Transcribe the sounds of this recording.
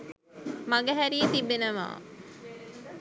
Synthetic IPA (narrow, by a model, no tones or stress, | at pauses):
maɡəɦæɾijət̪ibːenəʋa̰ː